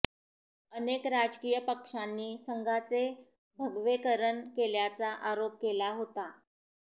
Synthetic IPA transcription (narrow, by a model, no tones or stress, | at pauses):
ənekɾad͡zkijəpəkʂanːiːsəŋɡʱat͡se | bʱəɡʋekəɾənkeljat͡saʔaɾop̚kelaɦot̪a